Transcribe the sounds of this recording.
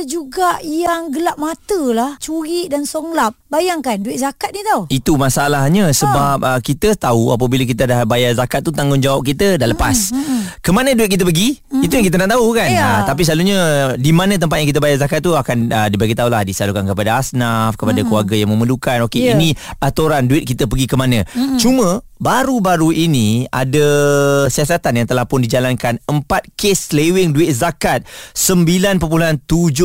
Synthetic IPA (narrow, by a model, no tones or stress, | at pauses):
d͡ʒuɡaʔjaŋɡəlaʔ̚mat̪əlaht͡ʃuɾiʔdansoŋlap̚bajaŋkanduɪʔ̚zakat̪̚nit̪auit̪umasaalahɲasəbap̚əkit̪ət̪aua̰p̬abilakit̪̬adahbajarzakat̪̚ːut̪aŋɡʊnd͡ʒawap̚kit̪ədaləpaskəmanə̃duɪt̪̚kit̪əpəɡi | it̪̬ujaŋkit̪̬ənaʔt̪aukannt̪ap̬isəlaluɲãdimãnə̃t̪̬əmpat̪̚jaŋkit̪əbajazakat̪̚ːuakanədibaɡit̪aulahdisalukankəpadaasnafkəpadakluarɡajaŋmə̃məlukanokeinĩat̪oɾanduɪt̪̚kit̪əpəɡikəmanə̃t͡ʃumə̃baɾubaɾuʔinĩa̰dasiasat̪anjaŋt̪əlahpʊndid͡ʒalankanəmpat̪̚keslewɪŋduɪt̪̚zakat̪̚səmbilanpəp̬ulant̪ud͡ʒʊ